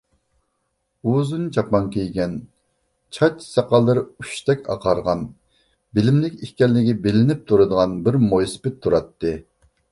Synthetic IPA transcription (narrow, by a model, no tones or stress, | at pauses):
uzunt͡ʃʰɑpɑŋkʲʰejɡʲɛn | t͡ʃʰɑt͡ʃsɑqɑlˠːɨɾɨuʃt̪ɛkʲɑ̰qʰɑɾʁɑn | bɪlɪmlɪkʲihkʲɛlːɪɡʲibɪlɪnɪp̚t̪ʰuɾɨd̪əʁɑnbɪɾmojsɪ̥pɪt̪ʰːuɾɑt̪ːɨ